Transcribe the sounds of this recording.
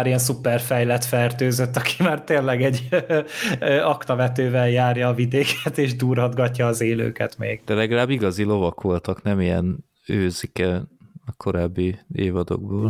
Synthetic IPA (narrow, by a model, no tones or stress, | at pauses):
aɾijɛns̬upɛrfɛjlɛt̪fɛrt̪øːzøt̪ːɒkʰi̥maːrt̪eːnlɛɡɛɟː | ʔɒkt̪ɒvɛt̪øːvɛljaːrjɒːvid̪eːkʰɛt̪eːʒd̪uːrɦɒd̪ɡɒcːɒːzeːlø̰ːkɛt̪meːɡ̥d̪̥ɛlɛɡɒlaːbːiɡɒzilo̞vɒkʋo̞lt̪ɒknɛmijɛ̰n | øːzikɛɒkʰo̞ɾaːbːieːvɒd̪o̰ɡ̚boːl